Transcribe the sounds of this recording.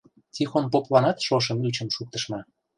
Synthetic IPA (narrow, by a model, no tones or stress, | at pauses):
tʲixonpoplɑnɑt̪ʃoʃ̬ə̆myt͡ɕə̆mʃuk̚t̪əʃmɑ